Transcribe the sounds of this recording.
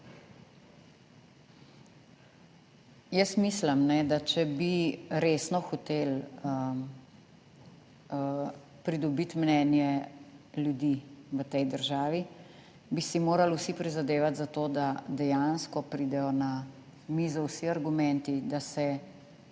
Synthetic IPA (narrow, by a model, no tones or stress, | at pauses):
jəsmisləmnɛd̪at͡ʃɛbiɾeːsnɔxɔt̪elə | pɾid̪ɔbit̪mnɛːnjɛ | ljud̪iʋət̪ɛjd̪əɾʒaːʋi | bisimoːɾalusipɾizad̪eːʋat̪zat̪od̪ad̪ɛjanskɔpɾid̪ɛjɔna | mizawsiaɾɡumɛ̃nt̪id̪asɛ